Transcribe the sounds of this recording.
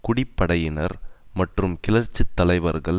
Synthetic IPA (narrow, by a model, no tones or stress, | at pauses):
kʊɽɪpːɐɽɐjɪnɐɾmɐʈrɯmkɪlɐɾt͡ʃːɯt̪ːɐlɐɪʋɐɾɣɐɭ